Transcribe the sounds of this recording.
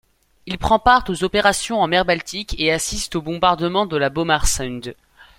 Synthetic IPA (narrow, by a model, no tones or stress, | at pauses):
ilpχɑ̃paʁt̪ozɔpeʁasjɔ̃ɑ̃mɛʁbalt̪ikeasist̪obɔ̃baʁd̪əmɑ̃d̪əlabɔmaʁsɛnd̪